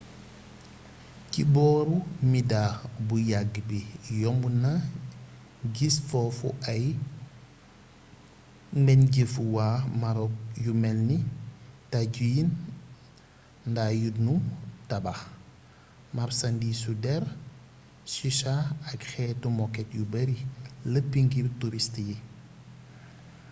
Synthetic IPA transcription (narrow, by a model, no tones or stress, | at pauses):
cibɔːɾumidabujaɡbijɔmbuna | ɡisfɔfṵɐj | mbɛnɟefuwaːmaɾɔk̚jumɛlnitaɟujin | ndaːjunutɐbax | mɐrsɐndisudɛɾ | siʃaɐkxɛːtumɔkɛtjubɐɾiləpːiŋɡirtuɾistji